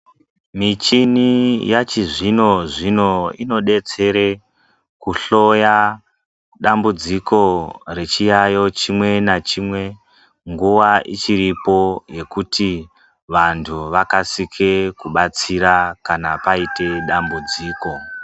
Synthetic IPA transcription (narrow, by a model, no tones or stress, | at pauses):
mit͡ʃinijat͡ʃiʐino̞ʐino̞ino̞ɗe̞t͡se̞ɾe | kuɬo̞ja | ɗambud͡zikʰo̞re̞t͡ʃijajo̞t͡ʃimwe̞nat͡ʃimwe̞ | ŋɡuʋaʔit͡ʃiripo̞je̞kuti | ʋantʰuʋakasikʰekuɓat͡siɾakanapaite̞ɗambud͡ziːko̞